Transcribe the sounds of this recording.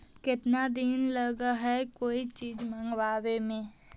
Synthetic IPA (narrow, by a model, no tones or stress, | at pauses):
kɪt̪nad̪inləɡaɦɛkoːit͡ʃiːd͡ʒmə̃ŋɡwaːwemẽː